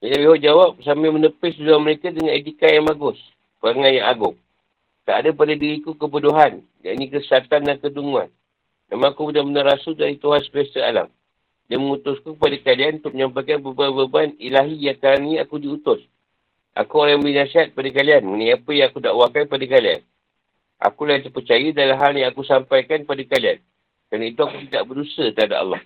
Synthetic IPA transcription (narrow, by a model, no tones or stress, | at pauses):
binabiɦɔʔd͡ʒawap̚samamənəpɪsdudaməɾekadəŋanet̪ikajaŋmaɡʊs | pəɾaŋanjaŋaɡʊŋ | ka̰ʔdapadadiɾikukəpəduɦan | ja̰ʔnĩkəsat̪andankəduŋua̰n | ma̰mãŋakubudahmənaɾasudaɾit̪uɦansəbast̪əa̰la̰m | danməŋut̪ʊskupadakalianunt̪ʊməɲampajkanbəbabəbanilaɦijakaɾanĩakudiut̪ʊs | ʔa̰kuolambəinasiɦat̪̚padakalianmənajapəjãŋakudaʔwakaipadakalia̰n | ʔa̰kulajint̪əpərt͡ʃajədalamɦaljaŋakusampajkanpadakalia̰n | kɾanait̪uakut̪idaʔ̚bərdusət̪əɦada̰ɑ̰lːɔ̰h